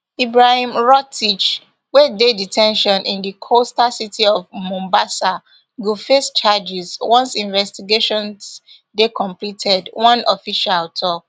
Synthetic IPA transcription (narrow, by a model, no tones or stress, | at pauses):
ibɹahĩmɹɔtʰit͡ʃ | wɛdeditʰɛ̃nʃɔ̃nʔĩndikʰostasitʰiɔvmɔ̃mbasa | ɡufest͡ʃad͡ʒizwɔ̃nsĩnvɛstiɡeʃɔ̃ns | dekɔ̃mplitʰɛdwɔ̃nɔfiʃaltʰɔk̚